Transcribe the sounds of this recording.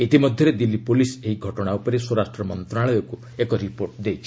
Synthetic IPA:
et̪imɔd̪ʱjɔɾed̪ilipuliseɦiɡʱɔʈɔɽ̃aupɔɾiswɔɾasʈɾɔmɔnt̪ɾaɭɔjɔku | ekɔɾipoɾʈd̪ejt͡ʃʰi̥

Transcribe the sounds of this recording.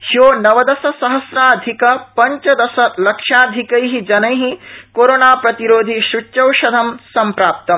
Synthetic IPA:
hijoːnɐʋɐd̪ɐsɐsɐɦɐsɾaːɐd̪ʱikɐpɐɲt͡ʃɐd̪ɐsɐlɐkʂaːd̪ʱikɐjɦid͡ʒɐnɐjɦikoːɾoːnaːpɾɐt̪iɾoːd̪ʱiʃut͡ʃːt͡ʃɐwʃɐd̪ʱɐmsɐmpɾaːp̚t̪ɐm

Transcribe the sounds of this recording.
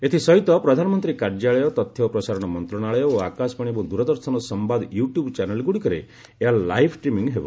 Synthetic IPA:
et̪ʰisɔɦit̪ɔpɾɔd̪ʱanɔmɔnt̪ɾikaɾd͡ʒaɭɔjɔt̪ɔt̪ʰjɔpɾɔsaɾɔɽ̃ɔmɔnt̪ɾɔɽ̃aɭɔjɔoakasɔ̥paɽ̃ibud̪uɾɔd̪ɔɾsɔnɔsɔmbad̪juʈjubt͡ʃanelɡuɽikɔɾe | eaɾlajpʰʈɾimiŋɦebɔ

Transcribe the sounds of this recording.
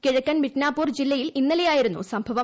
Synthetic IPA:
kiɻɐkːɐnmiʈnaːpːuːrd͡ʑilːɐjilinːɐlejaːjiɾunːṵsɐmbʱɐʋɐ

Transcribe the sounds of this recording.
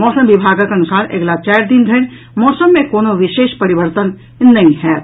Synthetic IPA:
mɔːsəmʋɪbʱaːɡakenʊsaːɾʔɐ̰ɡlat͡ʃaːɾd̪ɪnd̪ʱən | mɔːsəmːẽkoːnoʋɪʃeːʃpɐɾɪʋəɾt̪ənː | ɐɦĩɦɛː

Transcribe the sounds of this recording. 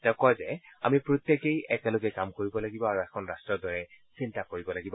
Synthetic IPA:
tɛʊkɔjzɛ | a̰mipɹot̪jekejɛkɛloɡɛkamkoɹibɔlaɡibɔaɹuɛkʰɔnɹastɹɔdɔɹɛsintakoɹibɔlaɡibɔ

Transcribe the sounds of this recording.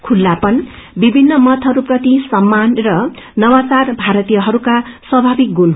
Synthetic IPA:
kʰulːapʌnbibʱinːʌmʌt̪ʰʌɾuprʌt̪isʌmːanrʌ | nʌwat͡sarbʱaɾʌt̪ijʌɦʌɾukaswʌbʱabik̚ɡun

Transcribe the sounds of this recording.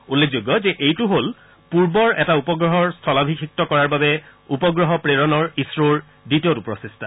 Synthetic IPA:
ulːekzoɡɔzɛʔejtʊɦol | puɹbɔɹʔɛtaupɔɡɹɔɦɔɹstʰɔlabʱikʰik̚tɔkɔɹaɹbabɛupɔɡɹɔɦɔpɹeɹɔnɔɹisɹoɹ | ditiotupɹɔsistʰa

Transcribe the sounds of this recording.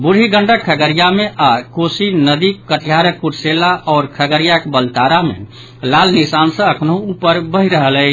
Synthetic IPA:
buɽ̤iɡəɳɖəkʰːəɡəɾijameʔakosinəd̪ikkːəʈʰijaɾəkːuɾselaʔɔːɾkʰəɡəɾijakebəlt̪aɾamḛ | lalnisansə̃əkʰnəɦũupəɾbəɦiɾəɦəlɛ

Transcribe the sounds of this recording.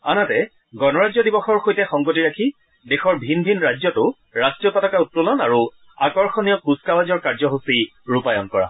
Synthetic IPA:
a̰natɛ | ɡɔnɔɹazɔdibɔxɔɹxojtɛxɔŋɡotiɹakʰi | dexɔɹbʱinbʱinɹazɔtʊ | ɹastɹijɔpatakautːulɔnaɹu | akɔɹxɔnijɔkuskabazɔɹkaɹzɔɦosiɹupajɔnkɔɹa̰

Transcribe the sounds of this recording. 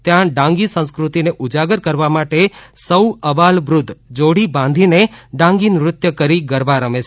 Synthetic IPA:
t̪jãɖãŋɡisə̃w̃skɾut̪ineʔud͡ʒaɡəɾkəɾʋamaʈesəwəbalʋɾʊd̪ʱd͡ʒoɽ̤ibãnd̪ʱineɖãŋɡinɾʊt̪jəkəɾiɡəɾbaɾəmet͡ʃʰ

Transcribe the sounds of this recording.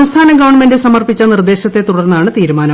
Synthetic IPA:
mst̪ʰaːnɐɡɐʋɐɳmendɨsɐmɐrpit͡ɕːɐnird̪e̞ːɕɐt̪ːe̞t̪uɽɐrnːɐaːɳɨt̪iːɾumaːnɐ

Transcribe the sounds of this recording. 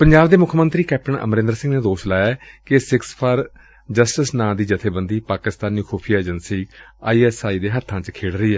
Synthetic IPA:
pəɲd͡ʒaːbd̪eːmʊkʰmənt̪ɾiːkɛːp̚ʈəɳə̰mɾɪ̃nd̪ɾsɪ̃ŋɡneːd̪oːʃlaːjɛːkɪsɪkspʰaːɾ | d͡ʒəsʈəsnãːd̪iːd͡ʒət̪ʰeːbənd̪iːpaːkɪst̪aːniːkʰoːpʰijaːeːd͡ʒənsiːaːiːɛsaːiːd̪eːɦət̪ʰːãːt͡ʃkʰeːɽɾəiːɦɛː

